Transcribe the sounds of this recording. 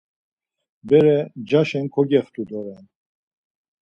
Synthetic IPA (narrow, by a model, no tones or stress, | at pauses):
bɛɾɛd͡ʒaʃɛnkʰɔɡɛft̪ʰʼud̪ɔɾɛn